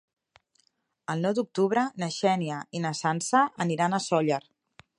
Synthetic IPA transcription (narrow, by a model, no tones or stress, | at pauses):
əlˠnɔwd̪uk̚t̪uβɾənəʃɛniəinəsansəʔəniɾanəsɔʎəɾ